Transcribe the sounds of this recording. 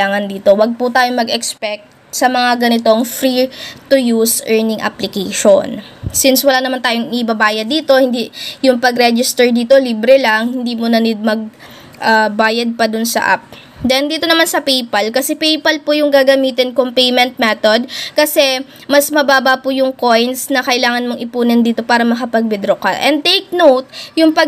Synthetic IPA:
aːŋɐnd̪iːt̪o̞wɐɡ̚pʊt̪aːjoŋmɐɡɛkspɛk̚t̪̚ | sɐmɐŋaɡɐnɪt̪oŋfɾit̪ʊjusʔɛɹnɪŋʔɐ̰plɪkejʃonsɪnswɐlaːnɐmant̪aːjoŋʔɪʔɪbɐbaːjɐd̪ːiːt̪o̞hɪnd̪ijʊŋpɐɡɾɛd͡ʒɪst̪ɛɹd̪iːt̪o̞liːbɾɛlaŋhɪnd̪iːmʊnɐnɪmɐɡ̚ | ʔabaːjɐd̪̚pɐd̪ʊnsɐ̰ʔa̰p̚ | d̪ɛnd̪iːt̪o̞nɐmansɐpejpɐlkɐsɛpejpɐlpʊjʊŋɡaːɡɐmiːt̪ɪnkompejmɛnt̪̚mɛt̪od̪̚kɐsɛ | mɐsmɐbaːbɐpʊjʊŋko̞jnt̪snɐkɐʔɪlaːŋɐnmoŋʔɪpuːnɛnd̪iːt̪o̞paːɾɐmɐkɐpɐɡ̚bɪd̪ɾoka̰ʔɛn̚t̪ejk̚nowt̪̚jʊŋpɐ

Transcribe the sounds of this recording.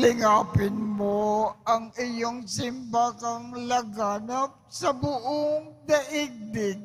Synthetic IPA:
lɪŋaːpɪnmoɐŋɪjoŋsɪmbakɐŋlɐɡaːnɐp̚sɐbʊʔoŋd̪ɐʔɪɡ̚d̪ɪɡ̚

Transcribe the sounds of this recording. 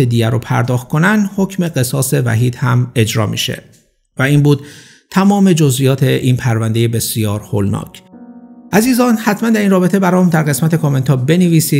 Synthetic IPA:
ed̪iɟæɾopʰæ̰ɾd̪ɒːxt̪̚kʰo̞nænd̪ho̞cʰme̞ɢe̞sɒːse̞væ̰ɦiːd̪̥hæme̞d͡ʒɾɒ̰ːmḭːʃe̞̰ | væiːnbuːd̪̚ | t̪ʰæmɒːme̞d͡ʒozʔijɒːt̪ʰe̞ʔiːnpʰæɾvænd̪e̞jebe̞sijɒːɾho̰lnɒ̰ːcʰʔæziːzɒːnhæt̪ʰmænd̪æɾiːnrɒːbe̞t̪ʰe̞bæɾɒːmd̪æɾɣe̞smæt̪ʰe̞kʰome̞nt̪ʰɒːbe̞neviːsiː

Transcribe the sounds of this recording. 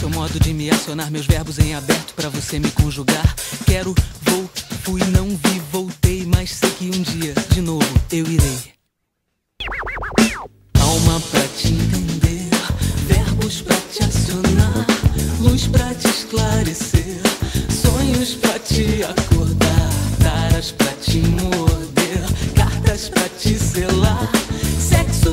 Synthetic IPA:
sewmɔd̪ʊd͡ʒɪmɪasionaɾmewzvɛɾbʊzẽj̃abɛɾt̪ʊ̥pɾɐvosemɪkõʒuɡaɾkɛɾʊvowfujnɐ̃w̃vivowt̪ejmajssekiũd͡ʒiɐd͡ʒɪnovʊewiɾej | awmɐpɾɐt͡ʃɪẽt̪ẽnd̪eɾvɛɾbʊspɾɐt͡ʃɪasionaɾluspɾɐt͡ʃiʃklaɾeseɾsõɲʊspɾɐt͡ʃɪakoɾd̪aɾt̪aɾɐspɾɐt͡ʃɪmoɾd̪eɾkaɾt̪ɐspɾɐt͡ʃiselaɾsɛksʊ

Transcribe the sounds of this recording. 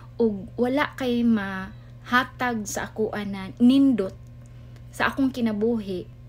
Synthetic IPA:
ʔʊɡ̚walaʔkajma | haːt̪aɡ̚saʔakuʔananɪnd̪ʊt̪̚ | saʔakʊŋkɪnabuɦɪʔ

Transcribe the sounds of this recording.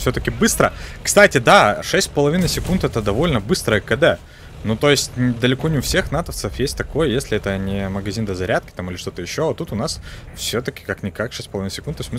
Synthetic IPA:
fsʲɵt̪əkʲɪbɨst̪ɾəkst̪atʲɪd̪aʂɛsʲtʲpəlˠɐvʲinɨsʲɪkunt̪ɛt̪əd̪ɐvo̞lʲnəbɨst̪ɾəjəkəd̪ɛ | nut̪o̞jɪsʲtʲnʲɪd̪əlʲɪkonʲɪʊfsʲe̞xnat̪əft̪səfjesʲtʲt̪ɐko̞jəjesʲlʲɪɛt̪ənʲɪməɡɐzʲind̪əzɐɾʲæt̪̚kʲɪ̥t̪amɨlʲɪʂt̪o̞t̪əjɪɕːoat̪ut̪ʊnasfsʲɵt̪əkʲɪ̥kaknʲɪkakʂɛsʲpəlˠɐvinəsʲɪ̥kunt̪ːosʲt̪ʲmɨ

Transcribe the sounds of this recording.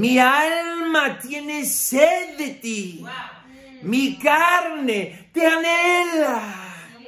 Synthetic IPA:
miallmat̪jeneseðt̪i | mikaɾne | pjanela

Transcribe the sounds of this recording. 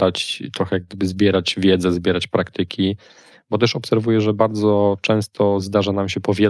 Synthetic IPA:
d̪at͡ɕt̪ɾɔxɛjaɡ̚d̪ɘbɘzbʲjɛɾat͡ɕvʲjɛd̪zɛzbʲjɛɾat͡ɕpɾakt̪ɘkʲʰi | bɔt̪ɛʂɔpsɛɾvujɛʐɛbaɾd̪zɔt͡ʂɛ̃w̃st̪ʰɔzd̪aʐanamɕɛpɔvʲjɛ

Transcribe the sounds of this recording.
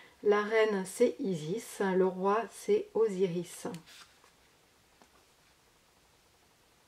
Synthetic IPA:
laʁɛnsɛʔizisləʁwasɛoziʁis

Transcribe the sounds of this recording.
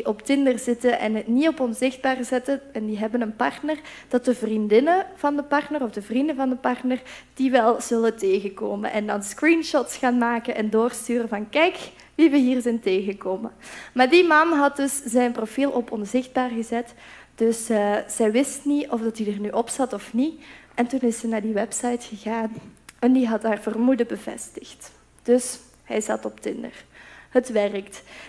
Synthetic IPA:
ʔɔptɪndərzɪtəʔɛ̰nətnitɔpɔnzɪxd̚baːrzɛtəɛndiɦɛbənənpɑrtnərd̥ɑtəvrindɪnəv̥ɑndəpɑrtnərɔvdəvrindəvɑndəpɑrtnərd̥iʋɛlˠz̥ɵləteːɣəkoːmə̰nʔɛndɑnskrinʃɔtsxaːnmaːkənʔɛndoːrstyːrəvɑnkɛjk | ʋiʋəɦiːrzɛjnteːɣəkoːməmaːrdimɑnɦɑt̚dɵszɛjnprofilˠʔɔpɔnzɪxd̚baːrɣəzɛt | d̥ɵsəz̥ɛjʋɪstniɔvdɑtidərnyʔɔpsɑtɔfniʔɛntunɪsɛnaːrdiʋɛpsɑjtxəɣaːnɛndiɦɑtɦaːrvərmudəbəvɛ̰stəxt | d̥ɵs | hɛjzɑ̰tɔptɪ̰ndə̰rhətʋɛrəkt

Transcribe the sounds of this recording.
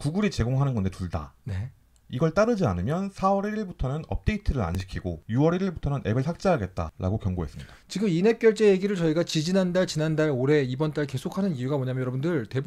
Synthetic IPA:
kuɡuɾit͡ɕe̞ɡoŋɦanɯnɡʌnde̞tuɭda̰ne̞ | iɡʌɭt͈aɾɯd͡ʑia̰nɯmjʌnsʰawʌɾiɾiɭbutʰʌnɯnʌ̰p̚t͈e̞itʰɯɾɯɾa̰nɕʰi̥kʰiɡojuʌɾiɾiɭbutʰʌnɯnʔe̞bɯɭsak̚t͡ɕ͈eɦaɡe̞t̚t͈a̰ɾʔa̰ɡokjʌŋɡoɦe̞s͈ɯmɲid̥at͡ɕiɡɯmine̞k͈jʌɭt͡ɕ͈e̞jeɡiɾɯɭt͡ɕʌiɡat͡ɕid͡ʑinɦandaɭt͡ɕinandaɭoɾe̞ibʌnt͈aɭke̞sʰokʰanɯnijuɡamʌɲamjjʌɾʌbundɯɭte̞b

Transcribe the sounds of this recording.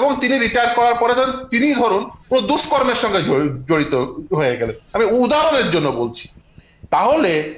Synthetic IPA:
eboŋt̪iniɾiʈajaɾkɔɾaɾpɔɾed̪ʰent̪inid̪ʱɔɾunkonod̪uʃkoɾmeɾʃɔŋɡeod͡ʑoɽit̪oɦoeɡɛlenamid̪aɦɾoneɾd͡ʑonːobolt͡ɕʰi̥ | t̪aɦole

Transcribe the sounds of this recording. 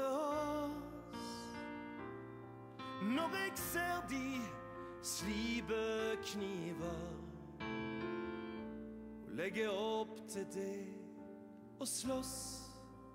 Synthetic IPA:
ɔ | s | nɔʁɛɡseːʁd̪i | sliːbəkʰniːvəʁ | olɛɡəɔpt̪ʰɪld̪e | oslɔs

